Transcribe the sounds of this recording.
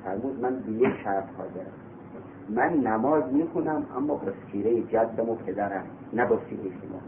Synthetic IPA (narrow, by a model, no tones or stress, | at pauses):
fæɾmuːd̪mænbejekʃæɾt̪hɒːzeɾæ | mænːæmɒːzmiːxʰonæmæ̰mːɒːbɒsiːɾejed͡ʒæd̪ːæmopʰed̪æɾæm | næbɒsiːɾejeʃomɒ̰ː